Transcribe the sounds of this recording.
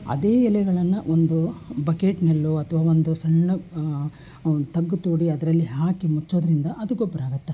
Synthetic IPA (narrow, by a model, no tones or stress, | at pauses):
ɐ̰d̪e̞ːilɛɡɐɭɐnːɐʔond̪ubɐkeːʈnɐlːuɐt̪ʰɐʋaːond̪usɐɳːu | t̪ɐɡːut̪uːɽiɐd̪ɐɾɐlːiɦaːkimut͡ʃːo̞ːd̪ɐɾind̪ɐʔɐd̪uɡobːɐɾaːɡɐt̪ːe